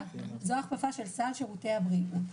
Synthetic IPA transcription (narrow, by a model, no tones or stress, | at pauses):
zoaχpafaʃe̞lsalʃeʁuteabʁi